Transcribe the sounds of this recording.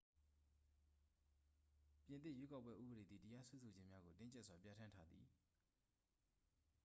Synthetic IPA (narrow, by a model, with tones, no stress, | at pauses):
pjɪ̃˨nt̪ɪ˦˨jwe˦ka˦ʊpːwɛ˦ʔṵ˦bə˨ɾe˨d̪ðḭ˨tə˦ja˦sʰwɛ˦sʰo˨d͡ʑɪ̃˦mja˦ɡo˨tɪ̃˦ɲt͡ɕɛ˦ʔswa˨pja˦tʰã˦ntʰa˦d̪ðḭ˨